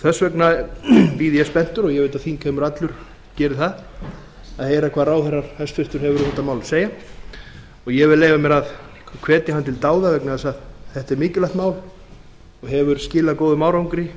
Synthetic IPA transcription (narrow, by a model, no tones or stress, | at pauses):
θœsvɛknapiːðiɛspɛn̥t̪ʏɾɔɣjɛɣvejt̪aðθiːnkʰɛːmʏɾat̪lʏɾ̥ | cɛːɾɪθað | aðheːjɾakʰvaːðraːwθɛrːaɾ̥θɛsfɪr̥t̪ʏɾ̥hɛvʏɾʏθɛht̪ːamaːwlseːja | ɔɣjɛvɪðleːjvamɛɾað | kʰvɛːt̪ɪɦant̪ʰɪlt̪aːwðavɛknɪθɛsaðθɛht̪ɛɾmɪːcʏlaht̪maːwl | ɔɣɦɛvʏɾscɪːlakoːwðʏmaːwɾawŋkɾɪ